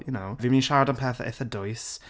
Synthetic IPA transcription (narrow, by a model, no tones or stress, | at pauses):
junowvimiːnʃaɾadanpʰɛːθɪ̰θədʊjs